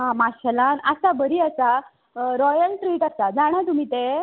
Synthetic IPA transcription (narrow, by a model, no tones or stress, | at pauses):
ɦãmaɕəlanəsabəɾiːəsa | ɾɔjəlʈɾiːʈəsad͡zaɽ̃at̪um̤iːt̪e